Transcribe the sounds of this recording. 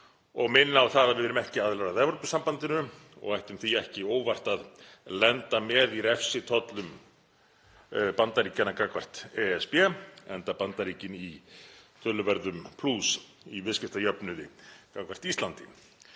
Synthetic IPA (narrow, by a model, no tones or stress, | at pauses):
ɔɣmɪnːawθaðaðvɪðɪɾɪmɛhcɪaðlɛɾaðɛvɔɾpʏsampant̪ɪnʏ | ɔ̰ɣajht̪ʏmθiɛhcɪoːwvar̥t̪að | lɛnt̪amɛðiɾɛfsɪt̪ʰɔt̪lʏm | pant̪aɾiːcanːakakvar̥t̪ɛɛspɛɛnt̪apant̪aɾiːcɪnit̪ʰœlːʏvɛɾðʏmpʰlus | ivɪscɪst̪ajœpnʏðɪkakvar̥t̪ist̪lant̪ɪ̰